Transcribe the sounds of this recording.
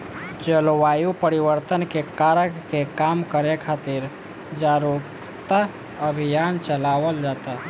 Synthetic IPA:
d͡ʒəlwajupəɾiʋəɾt̪ənkekaɾəkːekamkəɾekʰat̪iɾ | d͡ʒaɾup | t̪a | əbʱijant͡ʃəlaʋəld͡ʒat̪a

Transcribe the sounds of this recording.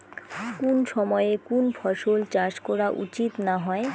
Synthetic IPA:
konʃɔmɔekonpʰɔʃolt͡ɕaʃkɔɾaʔṵt͡ɕit̪naɦɔe

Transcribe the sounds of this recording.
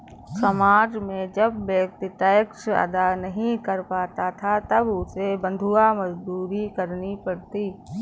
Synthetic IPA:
sɐmaːd͡ʒmẽd͡ʒɐbːek̚t̪ɪt̪ajəkʃə̰d̪anɐɦĩkəɾpaːt̪at̪ʰat̪ɐbʊsebə̃nd̪ʱuamɐd͡ʒd̪uːɾikəɾnipɐɽt̪iː

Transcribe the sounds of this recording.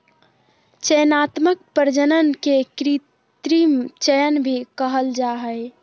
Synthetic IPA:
t͡ʃəjnat̪mək̚pəɾd͡ʒənənkekɾi | t̪ɾimt͡ʃəjənbʱikəɦəld͡ʒaɦəj

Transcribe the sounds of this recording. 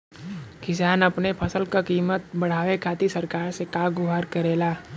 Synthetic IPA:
kɪsaːnɐpnepʰɐsəlkakiːmət̪̚bɐɽ̤aːʋekʰaːt̪isəɾkaːɾsekaːɡʊɦaːɾkəɾeːlaː

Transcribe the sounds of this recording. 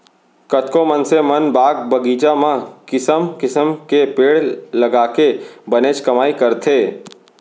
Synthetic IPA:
kət̪kõmənsemɐnbaːɡbəɡiːd͡ʒamãkɪsəmkɪsəmkepeːɽlɐɡaːkebəneːt͡ʃkɐmaːikɐɾt̪ʰeː

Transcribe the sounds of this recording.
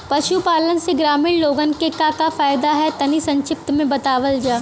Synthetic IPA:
pɐʃupaːlənseɡɾaːmɪɽloːɡənkekakafaːjd̪aɦɛt̪ɐnisɐ̃ɲʃɪp̚t̪mẽbɐt̪aːʋəld͡ʒaː

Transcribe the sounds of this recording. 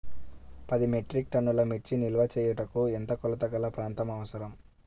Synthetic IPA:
pɐd̪ime̞ʈɾik̚ʈɐnːulɐmiʈt͡ʃinilɐʋɐt͡ʃɛːjɐʈɐkuent̪ɐkɔlɐt̪ɐkɐlɐpɾaːnt̪ɐmɐʋɐsɐɾɐm

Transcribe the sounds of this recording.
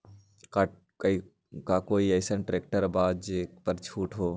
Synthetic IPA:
k | i | kakoːiəɪsənʈɾeːk̚ʈəɾbaːd̪̚d͡ʒekpəɾt͡ʃʰuːʈɦoː

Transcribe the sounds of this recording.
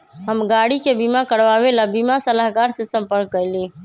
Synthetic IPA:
ɦəmɡaːɽikebimakəɽʋaːʋelabimasəlaɦkaːɾsesə̃mpəɾkːəiliː

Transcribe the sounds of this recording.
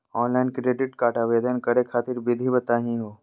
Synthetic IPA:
ɔːnlaːɪnkɾeːɖɪʈkaːʈaːʋeːd̪ənkɐɾekʰaːt̪ɪɾbʱɪd̪ʱibɐt̪aːɦĩɦoː

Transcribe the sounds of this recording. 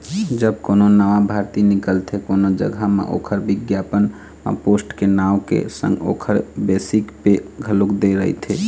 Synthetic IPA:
d͡ʒəbkononəʋabʱaɾt̪inikəlt̪ʰekonod͡ʒə̰ɡʱəmḛʔo̰kʰəɾbiɡjapən | ma̰posʈkenaʊkḛsə̰̃ŋɡo̰kʰəɾbesikpeɡʱəlukd̪eɾəɦḭt̪ʰe

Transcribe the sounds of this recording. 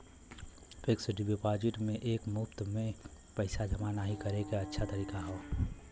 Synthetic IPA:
feːksɖɪbjopaːd͡ʒɪʈmẽʔeːkmʊpt̪mẽ | pɛɪsazɐmanaɦikɐɾekaɐtːʃʰat̪ɐɾiːkaɦoː

